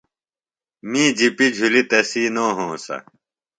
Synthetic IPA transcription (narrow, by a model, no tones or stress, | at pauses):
mĩːd͡ʑipid͡ʑʱulit̪ɐsiːnoːɦõːsɐ̰